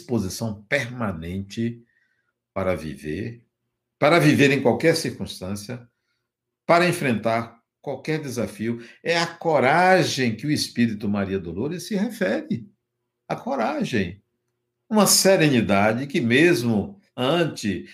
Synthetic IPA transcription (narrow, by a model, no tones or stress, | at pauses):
spozisɐ̃w̃peɾmanẽnt͡ʃɪ | paɾɐvḭvḛɾ | paɾɐviveɾẽj̃kwawkɛɾsiɾkũst̪ɐ̃siɐ | paɾɐẽfɾẽnt̪aɾ | kwawkɛɾd̪ezafiʊɛɐkoɾaʒẽj̃kɪʊispiɾit̪ʊmaɾiɐd̪oloɾɪsːɪhɛfɛɾɪ | ɐkoɾaʒẽj̃ | ũmɐseɾẽnid̪ad͡ʒɪkɪmezmʊ | ɐ̃t͡ʃɪ